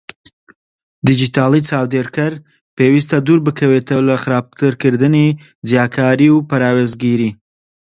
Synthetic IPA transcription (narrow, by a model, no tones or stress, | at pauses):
d̪id͡ʒit̪aːlit͡saːwd̪eɾkɐɾ | peːwist̪ɐd̪uːɾbɨkʰɐwet̪ɐwlɐxɨɾab̚t̪ɨɾkɨɾd̪ɨni | zjaːkʰaːɾiwpɐɾaːwezɡiɾi